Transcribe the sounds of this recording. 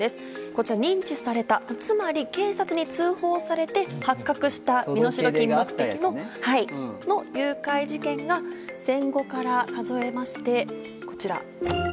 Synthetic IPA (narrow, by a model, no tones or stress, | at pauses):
e̞sɨ̥ | ko̞t͡ɕiɾaɲ̟ĩɲ̟t͡ɕisaɾe̞t̪at͡sɨmaɾʲike̞ːsat͡sɨɲ̟it͡sɨːho̞ːsaɾe̞t̪e̞hakːakɯ̟ɕi̥t̪ammino̞ɕiɾo̞kʲĩmːokɯ̟t̪e̞kʲino̞haino̞jɯ̟ːkaiʑikẽ̞ŋɡasẽ̞ŋɡo̞kaɾakazo̞e̞maɕi̥t̪e̞ | ko̞̥t͡ɕiɾa̰